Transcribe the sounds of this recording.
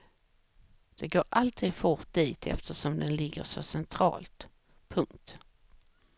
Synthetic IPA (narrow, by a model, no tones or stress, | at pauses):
d̪̥ɛɡoːɾalt̪ʰiːd̪fʊʈd̪iːt̪ʰɛ̰ft̪əʂɔmd̪ɛnlɪɡːə̰ʂɔsɛnt̪ʰɾɑ̰ːlt̪ | pʰɵŋkt̪